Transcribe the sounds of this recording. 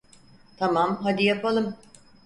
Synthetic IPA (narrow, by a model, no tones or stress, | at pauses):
t̪ʰamamɦad̪ijapalˠɯm